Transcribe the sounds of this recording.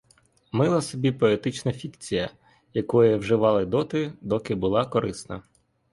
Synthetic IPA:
mɪlˠɐsɔbʲipɔet̪ɪt͡ʃnɐfʲikt͡sʲijɐ | jɐkɔjɐwʒɪʋɑlˠɪd̪ɔt̪ɪd̪ɔkɪbʊlˠɑkɔɾɪsnɐ̰

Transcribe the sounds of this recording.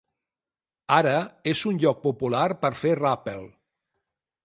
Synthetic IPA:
aɾəezunʲʎɔk̚pupulaɾpəɾferapelˠ

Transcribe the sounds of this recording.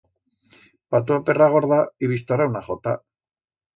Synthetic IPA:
pat̪uaperaɣo̞ɾðaiβist̪arawnaχot̪a̰

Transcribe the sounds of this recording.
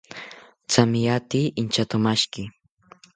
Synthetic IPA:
t͡samɪjat̪iːʔɪnt͡ʃat̪ʊmaʃkɪ

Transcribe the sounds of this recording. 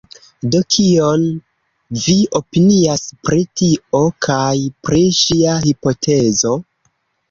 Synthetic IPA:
do̞kʰio̞n | vio̞piniaspɾitio̞kʰajpɾiʃiahipo̞tʰe̞zo̞

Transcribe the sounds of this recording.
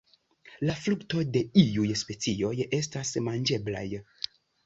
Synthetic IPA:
laflukto̞de̞iujspe̞t͡sio̞je̞stasmand͡ʒe̞bla̰j

